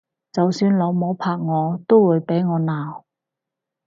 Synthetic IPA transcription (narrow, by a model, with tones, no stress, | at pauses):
t͡sɐ˨wsyː˧nlɔ˨˧wmoː˨˧˥pʰaː˧k̚ŋɔː˨˧t̪o˥wwuː˨˧jpe˨˥jŋɔː˨˧naː˨w